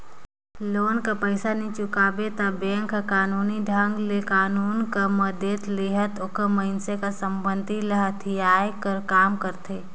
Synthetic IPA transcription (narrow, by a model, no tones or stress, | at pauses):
loːnkapəɪsanĩt͡ʃʊkaːbet̪abɛ̃ːŋkakaːnuːniɖʱãŋɡlekaːnuːnkaməd̪et̪leːɦət̪ʊkəməɪnsekasə̃mbə̃nd̪ʱiləɦət̪ʰijaːjkəɾkaːmkəɾt̪eː